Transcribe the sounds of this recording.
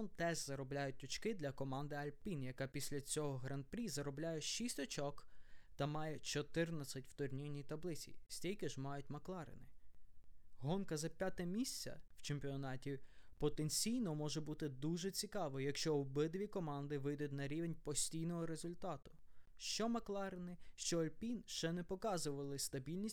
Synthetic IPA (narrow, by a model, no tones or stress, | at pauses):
ɔnt̪ɛʒzɐɾɔblʲajʊt̚ʲʊt͡ʃkɪd̪lʲɐkɔmɑnd̪ɪɐlʲpʲinjɐkɑpʲisʲlʲɐt͡sʲɔɦɔɦɾɐnpɾʲizɐɾɔblʲajɛʃisʲtʲɔt͡ʃɔkt̪ɐmɑjɛt͡ʃɔt̪ɪrnɐt͡sʲɐtʲwt̪ʊrnʲijnʲit̪ɐblˠɪt͡sʲḭsʲtʲijkɪʒmɑjʊt̚ʲmɐklˠɑɾɪ̰nɪ | ɦɔnkɐzɐpʲjat̪ɛmʲisʲt͡sʲɐ̰w̥t͡ʃemʲpʲiɔnɑtʲipɔt̪enʲt͡sʲijnɔmɔʒɛbut̪ɪd̪uʒɛt͡sʲikɑʋɔjɐkʃt͡ʃɔwbɪd̪ʋʲikɔmɑnd̪ɪʋɪjd̪ʊtʲnɐɾʲiʋenʲpɔsʲtʲijnɔɦɔɾezʊlʲt̪ɑt̪ʊ̥ʃt͡ʃɔmɐklˠɑɾɪnɪʃt͡ʃɔɐlʲpʲinʃt͡ʃɛnɛpɔkɑzʊʋɐlˠɪst̪ɐbʲilʲnʲisʲ